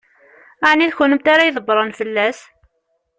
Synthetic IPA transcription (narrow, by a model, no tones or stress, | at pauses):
aʕniðçʊnəmt̪aɾajðˤəbːɾˤɑnfəlːæs